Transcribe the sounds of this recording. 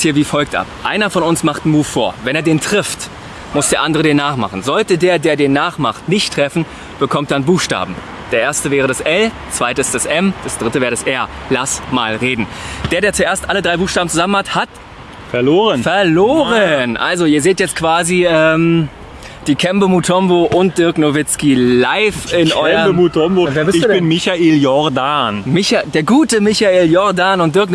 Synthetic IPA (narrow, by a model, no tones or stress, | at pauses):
thiːɐviːfɔlk̚tʔa̰pʔa̰ɪnɐfɔnʊnsmaχtn̩muːfːoːɐvɛneːɐdeːntʁ̥ɪft | mʊsd̥eːɐʔandəʁədeːnːaːχmaχn̩zɔltədeːɐdeːɐdeːnːaːχmaχtnɪçtʁ̥ɛfn̩ | b̥əkʰɔmtd̥anbuːxʃta̰ːbm̩ | d̥eːɐʔeːɐstəvɛːʁ̞ədasʔɛl | t͡sv̥aɪtəɪstd̥asʔɛmd̥asd̥ʁɪtəvɛːʁədasʔɛɐ | lasmaːlʁeːdn̩d̥eːɐɾeːɐt͡suʔeːɐstʔalədʁaɪbuːxʃtaːbm̩t͡suzamənhathat | fɛɐloːʁənfɛɐloːʁənʔa̰lzoiːɐzeːtjɛt͡stkv̥aːziɛːm | d̥iːkʰɛmbəmutʰɔmboʔʊnt̚d̥ɪɐknovɪt͡skilaɪfɪnɔɪɐəmutʰɔmboveːɐbɪsɪçbɪnmɪçaʔeːljɔɐdanmɪçadeːɐɡuːtəmɪçaeːljɔɐdaːnʊnt̚d̥ɪɐk̬n